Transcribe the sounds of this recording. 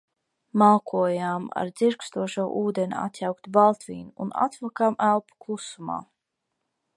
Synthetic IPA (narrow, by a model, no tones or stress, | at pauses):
malˠkʰuɔjama̰ɾd̪z̥iɾkst̪uɔʃuɔʔuːd̪enʲia̰t̪jawkt̪balˠt̪vḭːnʲuṵna̰t̪vɔkamælˠpu̥klˠusuma̰ː